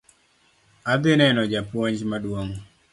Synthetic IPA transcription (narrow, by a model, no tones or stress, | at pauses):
ad̪ɪnɛnɔd͡ʒapwɔɲd͡ʒmadwoŋ